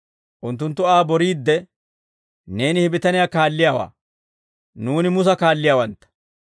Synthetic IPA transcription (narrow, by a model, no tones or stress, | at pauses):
ʔʊnt̪̬ːʊnt̪ːʊaːbɔɾiːd̪ːɛ | ne̞ːnɪhɪbɪt̪ɐnɪjaːkaːlːɪjaːwa̰ː | nuːnɪmʊs̬ɐkaːlːɪjaːwɐnt̪ːɐ̥